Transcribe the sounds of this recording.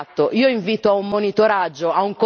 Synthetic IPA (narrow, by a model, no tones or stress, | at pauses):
t̪ːoʔiːoiɱviːt̪oaumːonit̪oɾad͡ʒːoauŋko